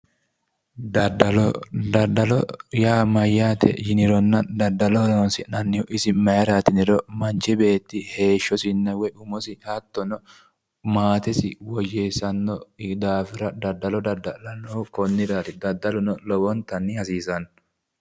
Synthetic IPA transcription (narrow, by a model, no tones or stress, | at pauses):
d̪ɐd̪ɐlɔd̪ɐd̪ɐlɔjaːmɐjːaːt̪ʰɛ̰d͡ʒɪnɪɾɔnːɐd̪ɐd̪ːɐlɔnonsɪnɐnːɪhɔʔɪsɪmɐjɛɾaːt̪ɪnɪɾɔmɐnt͡ʃɪbe̞ːt̪ːɪhe̞ːʃːɔsɪnːɐwɛʊmɔsɪhɐt̪ːɔnɔ | maːt̪ɛsɪwɔjesɐnːɔd̪aːfɪɾɐd̪ɐd̪ːɐlɔd̪ɐd̪ːɐlɐnːɔkɔnːɪɾaːt̪ɪd̪ɐd̪ːɐlɔnɔlɔbɔnt̪ɐnːɪɐsiːsɐn